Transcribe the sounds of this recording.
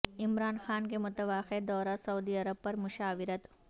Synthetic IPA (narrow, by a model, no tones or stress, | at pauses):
ɪmɾaːnxaːnkemʊt̪əʋaːxed̪ɔːɾasɐuːd̪iɐɾəb̚pɐɾmʊʃaːʋɪɾət̪